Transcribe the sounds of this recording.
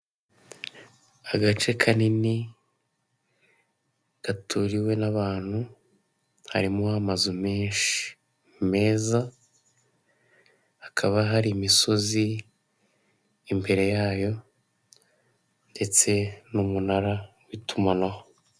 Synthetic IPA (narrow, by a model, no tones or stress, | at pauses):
aɡat͡ʃe̞kʰanini | ɡ̥atuɾiwe̞naβaːn̥hu | ha̰ɾimohamazume̞ːnʃii̥ | me̞ːza | hakʰaβaɦaɾimiso̞zi | mbe̞ɾe̞jaːjo̞ | nde̞t͡se̞numunaɾa | witumanaho